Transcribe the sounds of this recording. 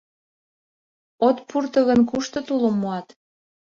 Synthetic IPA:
ot̪purt̪ɤ̆ɣənkuʃt̪ot̪ulomːoɑt̪

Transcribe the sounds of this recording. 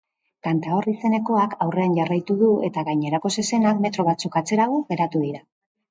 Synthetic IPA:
kant̪aorise̞ne̞ko̞akawre̞anʝarajt̪uðue̞t̪aɣajɲe̞ɾako̞sese̞nakme̞t̪ɾo̞βat͡sukat͡se̞ɾaɣ̞oɣe̞ɾat̪uðiɾa

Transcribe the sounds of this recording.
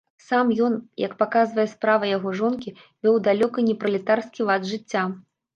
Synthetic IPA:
samjɔnjɐ̰kpakazvɐjɛspɾavɐjaɣɔʐɔnkʲi | vʲɛwd̪alʲɔkɐnʲɛpɾɐlʲit̪arskʲivad̪ʐɨt͡sʲːa

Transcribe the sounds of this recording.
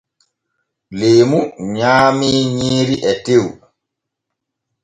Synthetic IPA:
leːmuɲaːmiɲiːɾiʔɛtew

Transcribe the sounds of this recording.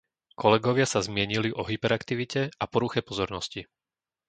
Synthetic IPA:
kɔlɛɡɔʋɪasazmɪɛɲiliʔɔɦipɛɾakt̪iʋicɛapɔɾuxɛpɔzɔɾnɔsci

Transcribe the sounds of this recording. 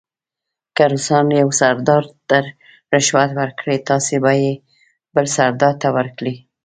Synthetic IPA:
kaɾusɑnjawsaɾd̪ɑɾt̪əɾ | ɾɪʃwat̪wəɾkɽet̪ɑsebɑje | bəlsaɾd̪ɑɾt̪awəɾkɽi

